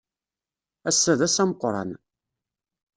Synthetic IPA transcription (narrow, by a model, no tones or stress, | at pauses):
æsːæðæsæməqːɾˤɑ̰n